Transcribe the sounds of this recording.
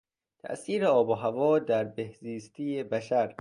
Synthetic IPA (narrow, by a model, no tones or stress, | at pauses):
t̪ʰæ̰ʔsiːɾeɒːboɦævɒːd̪æɾbehziːst̪ʰiːjebæʃæɾ